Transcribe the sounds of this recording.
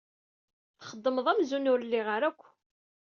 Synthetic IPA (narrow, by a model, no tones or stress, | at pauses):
θχəd̪ˤːəməðˤæmzunʊɾlːiʁəɾækʷː